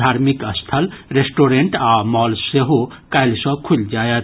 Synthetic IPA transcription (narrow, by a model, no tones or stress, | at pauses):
d̪ʱaɾmikəst̪ʰəlɾesʈoɾeɳʈamɔlseɦo | kajlsɔ̃kʰuld͡ʒajət̪